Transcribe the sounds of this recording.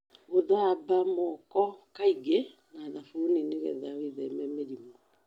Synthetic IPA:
oðabamɔkɔkaiɡe | naðafoneneɣɛ̰ðawiðɛmɛmeɾimɔ

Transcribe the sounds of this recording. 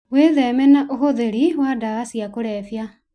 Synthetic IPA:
weðɛːmɛnaʔoɦoðeɾiwadaɣasiakoɾɛːfja

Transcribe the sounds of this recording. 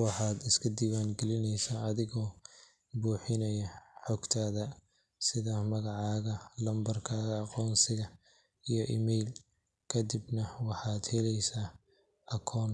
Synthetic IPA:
wɑħɑːd̪ɪskʰɐd̪iːwaːŋɡɛlɪnɛjsaːɐðɪɣɔː | buːħɪnɐjɐħɔɡt̪ʰaːðɐ | sɪðɐmɐɣɑʕɑːɣɐlɐmbɐrkʰaːɣɐːqɔːnsɪɣɐ | ijɞʔimɛjl | kʰɐd̪ɪbnɐwɑħɑːd̪hɛlɛjsaː | ʔɐkʰɔːn

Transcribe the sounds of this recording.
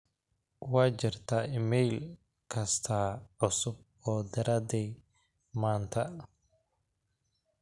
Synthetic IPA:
wɑːt͡ʃɪrt̪ʰaːɪmɛjl | kʰɐst̪ʰaːʕʊsʊb̚ | ɔːd̪ɐɾɐd̪ɛj | maːnt̪ʰɐ

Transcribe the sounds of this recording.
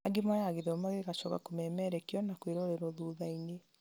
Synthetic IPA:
aɡimwajaɣeðomaɣeɣat͡ʃɔɣa̰komɛmɛɾɛkeɔnakweɾɔɾɛɾɔðuðaine

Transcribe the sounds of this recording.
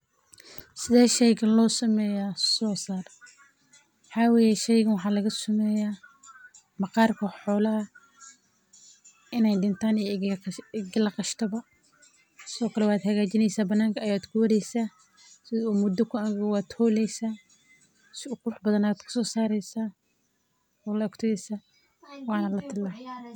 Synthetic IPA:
sɪðɛːʃɛjɣɐlɔːsɐmɛːjasɔːsaːr | wħɑːwɛːjɛʃɛjɣɐnwɑħɑːlɐɣɐsɐmɛːjaː | mɑqɑːrkʰɐħɔːlɐɦɐ | ɪnɛjɖɪnt̪ʰaːnɛ | ɡlɐqɑʃt̪ʰɐβɐ | sɪðɔːkʰɐlɛwaːd̪hɐɣaːt͡ʃɪnɛjsaːbɐnːaːŋkʰɐjaːd̪kʰʊwɐɾɛjsaː | sɪðɔuːmʊd̪ɔkʰʊaːɣɐwaːd̪hɔːlɛjsaː | sʊkʰʊʊħbɐðɐnaad̪kʰʊ̥sɔːsaːɾɛjsaː | ɔːlɐɔkt̪ʰʊɛsaː | wɑːnɐlɐt̪ʰɪlaː

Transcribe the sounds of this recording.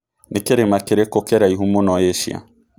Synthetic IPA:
nikeɾemakeɾekokeɾaiɦumonɔjeʃj̰a̰

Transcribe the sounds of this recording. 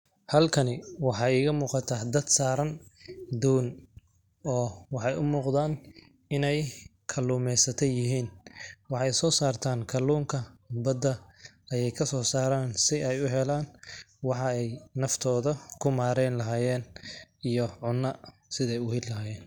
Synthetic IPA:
hɐlkʰɐnɪwɑħɑːɪːɣɐmuːqɑt̪ʰaːd̪ɐd̪saːɾɐnd̪uːn | ɔːwɑħɑjʔʊmuːqd̪aːn | ɪnɛj | kʰɐluːmɛjsɐt̪ʰɛjɪɦiːnwɑħɑjsɔːsaːrt̪ʰaːŋkʰɐluːŋkʰɐbɐd̪ɐ | ɐjɛjkʰɐsɔːsaːɾaːnsɪɛjʊɦɛlaːn | wɑħɑɛjnɐft̪ʰɔːðɐkʰʊmaːɾɛjnlɐɦaːjɛːnʔijɔʕʊnːɐ | sɪðɛjʊhɪllɐɦaːjɛːn

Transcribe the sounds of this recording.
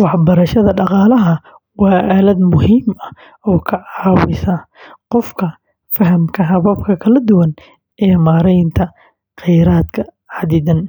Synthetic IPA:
wɑħbɐɾɐʃɐðɐɖɑqɑːlɐɦɐ | wɑːʔaːlɐd̪mʊhiːmɐ | ɔːkʰɐʕɑːwɪsɐqɔfkʰɐ | fɐɦɐmkʰɐɦɐβɐb̚kʰɐkʰɐlɐd̪ʊwɐn | ɛːmaːɾɛjnt̪ʰɐ | qɛjɾaːd̪kʰɐ | ʕɑd̪ɪðɐn

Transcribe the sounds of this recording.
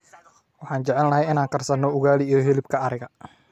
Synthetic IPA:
wɑħɑːnt͡ʃɛʕɛlnɐɦɛjɪnaːŋkɐrsɐnːɔʊɣaːliːjɔɦɛlɪbkʰɐːɾɪɣɐ

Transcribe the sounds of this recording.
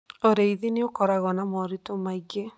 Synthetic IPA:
oɾeiðineokɔɾaɣɔnamɔɾitomaiɣe

